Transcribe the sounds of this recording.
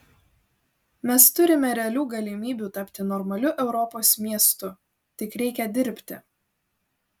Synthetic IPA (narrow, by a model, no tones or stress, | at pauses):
mʲɛst̪ʊɾʲɪmʲɛɾʲɛɐlʲuːɡɐlʲɪmʲiːbʲuːt̪ɐpʲt̪ʲɪnɔɾmɐlʲʊʔɛʊɾɔpoːsmʲiɛst̪ʊ | t̪ʲɪkɾʲɛɪkʲɛd̪ʲɪɾʲpʲt̪ʲɪ̰